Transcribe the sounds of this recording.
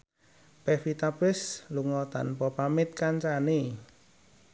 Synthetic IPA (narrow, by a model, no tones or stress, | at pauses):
pɛfit̪apɪsluŋɔt̪a̰npɔpamɪt̪̚kaɲt͡ʃani